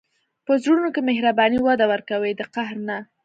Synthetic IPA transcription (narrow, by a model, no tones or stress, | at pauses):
pəzɾuunokemehɾabɑniwad̪awəɾkawed̪əqahɾna